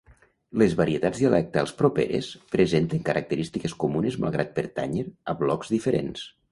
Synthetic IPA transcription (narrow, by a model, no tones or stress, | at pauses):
lezβaɾiet̪ad͡zðiəlɛk̚t̪əəlˠspɾopḛɾḛspɾezent̪eŋkəɾʔak̚t̪əɾist̪ikeskumunezma̰lˠɣ̞ɾat̪̚peɾt̪a̰ɲeɾəβlɔkzðifeɾḛns